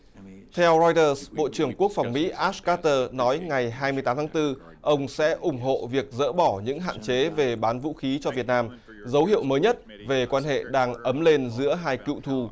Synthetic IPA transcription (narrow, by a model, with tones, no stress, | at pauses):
t̪ʰɛ˧wzɔ˧jt̪əː˧sɓo̰˧˨t͡ɕɨ˨˩əŋku˦˥ək̚fa˨˩wŋ͡mmḭ˧˥ʔaː˦˥skaː˦˥t̪əː˧nɔ˨˦jŋa˨˩jɦaː˧jmɨ˧əjt̪aː˦mt̪ʰːŋt̪ɨ˧ | ʔə˧wŋ͡msɛ̰˧˥ʔʊ˨˧˩ŋ͡mɦo̰˧˨vi˨˩ək̚zə̰ː˧˥ɓɔ˧˩ɲɨ̰˧˥ŋɦa̰ː˧˨nt͡ɕe˨˦ve˨˩ɓaː˨˦nvṵ˧˥xi˨˦t͡ɕɔ˧vi˨˩ət̚naː˧m | zə˨˦whḭ˧˨əwməː˨˦jɲə˦˥t̚ | ve˨˩kwaː˧nɦḛ˧˨ɗaː˧ŋʔə˨˦mle˧nzɨ̰˧˥əɦaː˧jkḭ˧˨wt̪ʰu˧˩